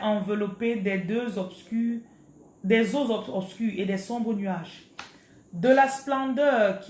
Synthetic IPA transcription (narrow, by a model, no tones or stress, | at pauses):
ʔɑ̃vəlɔped̪ɛd̪øzɔk | d̪ɛzozɔɔpskʲyʁed̪ɛsɔ̃bʁənyaʒ | d̪əlasplɑ̃d̪œʁkʲ